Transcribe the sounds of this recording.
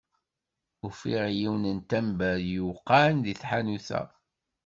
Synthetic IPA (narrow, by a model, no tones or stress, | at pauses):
ufiʁjiwnənt̪æmbæjuqːɑnðiθħanuθæ̰